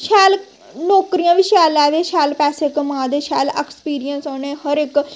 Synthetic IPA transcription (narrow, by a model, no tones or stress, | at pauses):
ʃɛːl | nɔːkɾijãːʋiːʃɛːlɛːʋeːʃɛːlpɛːseːkmãːd̪eːʃɛːlɛːkspiːɾijənsɔːneːhəɾɪk